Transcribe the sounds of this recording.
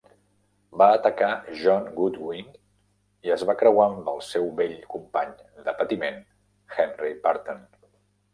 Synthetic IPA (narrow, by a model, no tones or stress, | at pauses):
baːt̪əkaʒɔnɡut̪wiŋ | iəzβakɾəwambəlˠsɛwβeʎkumpaɲ | d̪əpət̪imen | xɛnripaɾt̪on